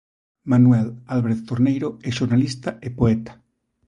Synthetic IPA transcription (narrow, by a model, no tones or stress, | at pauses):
manwelalβɾeðt̪oɾnejɾoeʃoɾnalist̪aʔepoet̪ḁ